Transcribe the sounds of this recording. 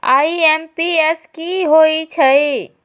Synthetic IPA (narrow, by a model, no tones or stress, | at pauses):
a̰iempieskiɦoit͡ʃʰəj